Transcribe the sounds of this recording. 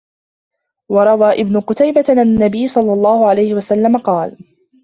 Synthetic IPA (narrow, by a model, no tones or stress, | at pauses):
wɑɾˤɑwaːʔɪbnʊqʊt̪ajbanːabɪjːsˤɑlːɑlˤːɑːhʊʕalajhɪwasalːamaqɑːl